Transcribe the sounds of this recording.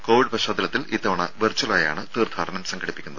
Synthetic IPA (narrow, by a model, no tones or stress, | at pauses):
ko̞ːʋiɖpɐɕaːd̪ɐlɐt̪ːiliːt̪ːɐʋɐɳɐʋert͡ɕːɐlaːja̰ːɳɨt̪iːrd̪ʰʱaːɽɐnɐmsɐŋɡʰɐɽipːikʲːunːɐðɨ